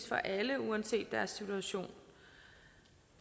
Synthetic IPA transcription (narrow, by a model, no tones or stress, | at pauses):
sfɒ̽ʔæləuænse̝̰ːd̥ːæɐsːit͡sʰuæɕo̝̰ːn